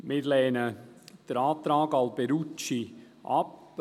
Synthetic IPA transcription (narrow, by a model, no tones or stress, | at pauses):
mɪːɾlɛːnəd̥əɾaːt̪ɾaːɡɑlb̥eɾut͡ʃi | ʔɑ̰p